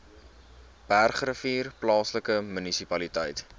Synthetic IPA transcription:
b̥ærχrəfiːrplɑːsləkəmynisipɐlitəjt

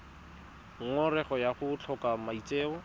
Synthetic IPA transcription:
ŋ̩ŋɔrɛχɔjaχʊt͡ɬʰɔkamait͡sʼeːɔ

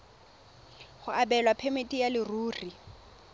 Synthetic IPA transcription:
χʊabɛlwapʰemɪtʼijalɪruːri

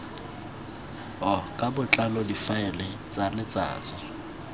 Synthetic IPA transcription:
ɦɔkʼabʊt͡ɬʼalɔdifaɪlɪt͡sʼanɪt͡sa̰ːt͡sʼɪ

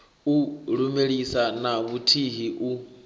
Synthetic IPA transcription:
uɺumeɺisanaβutʰiɦiʔu

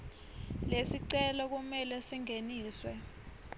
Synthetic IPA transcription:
lesiǀɛlɔk̬umɛlɛsiŋeniːswɛ

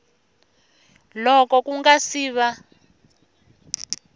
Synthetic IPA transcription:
lɔkɔkuŋɡasiːβa

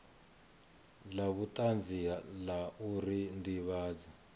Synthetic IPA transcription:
laβutʼand͡zialaʔuɾindiβaːd͡zi

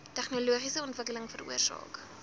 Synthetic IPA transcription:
tæχnoluəχisəɔntvəkələŋfərṵərsɑ̰ːk

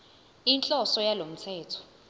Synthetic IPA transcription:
int͡ɬʼɔsɔjalom̩t͡sʰɛːtʰɔ̥

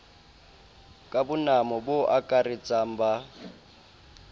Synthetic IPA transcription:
kʼabʊnamɔbʊʔakʼarit͡sʼam̩ba

